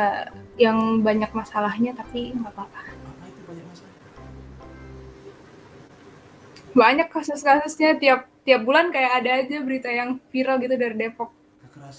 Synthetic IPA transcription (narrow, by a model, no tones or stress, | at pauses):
jaŋbaɲak̚masalahɲat̪apiŋɡapapa | baɲakːasʊskasʊsɲat̪iap̚t̪iap̚bulankajaːdaːd͡ʒabəɾit̪ajaŋfiɾalɡit̪udaɾidepɔk̚